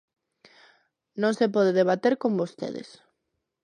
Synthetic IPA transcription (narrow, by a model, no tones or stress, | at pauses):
nõŋsepɔð̞eðeβ̞at̪eɾkõmbost̪ḛðḛs